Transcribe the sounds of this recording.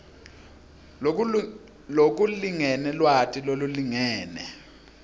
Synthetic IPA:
lok̬uliŋɛnɛlwatʰʼiloluliŋɛːnɛ

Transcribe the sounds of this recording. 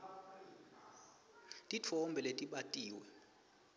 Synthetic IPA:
tʼit͡fʰɔmbʱɛletʼiɓatʼiːwɛ

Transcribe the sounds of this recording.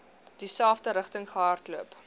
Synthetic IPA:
d̥isælˠfdəɾəχtəŋχəɦɑrtluəp

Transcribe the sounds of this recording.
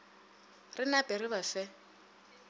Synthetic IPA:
rɪnapʼɛrɪβafɛ

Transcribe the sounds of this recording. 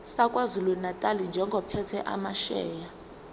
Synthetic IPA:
sakʼwazulunatʼalind͡ʒʱɛŋɡʱɔpʰɛtʰɛʔa̰maʃɛːja

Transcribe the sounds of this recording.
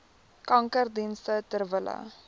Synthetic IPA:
kɐŋkərdinstətərvələ̰

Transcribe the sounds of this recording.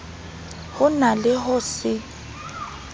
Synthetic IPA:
hʊnalɪɦʊsɪ

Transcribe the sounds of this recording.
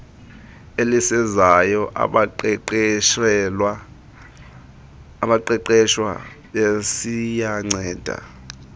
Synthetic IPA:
elisɛzajɔʔɓ | ɓaǃɛǃɛʃwa̰ | ɓesijaŋ͡ǀɛːd̥ʱa̰

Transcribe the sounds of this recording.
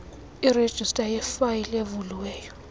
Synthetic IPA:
ired̥ʒ̥ʱistʼajɛfajilevuluwɛːjɔ

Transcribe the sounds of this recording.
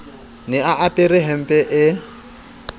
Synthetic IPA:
nɪaʔapʼɪɾɪɦɛm̩pʼɛʔɪ

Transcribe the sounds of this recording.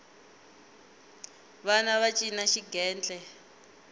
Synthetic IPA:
βanaβat͡ʃʼinaʃiɡɛːnd͡ɮʼɛ

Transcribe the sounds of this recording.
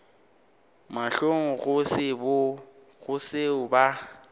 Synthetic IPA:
maɬoŋ̩ɣʊsɪbʊ | ɣʊsɪʊba

